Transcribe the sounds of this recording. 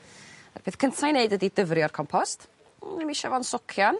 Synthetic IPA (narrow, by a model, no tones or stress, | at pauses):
a̰rb̥ʰeːθkʰəntʰajneɨdədidəvriɔrkʰɔmpʰɔst | imiʃavɔnsʊkʰjan